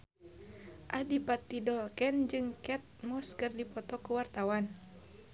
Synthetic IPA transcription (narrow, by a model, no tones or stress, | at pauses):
ʔadipat̪ːidɔlkɛnd͡ʒɨŋkɛt̪̚mɔskərdipɔt̪ɔkuwart̪awan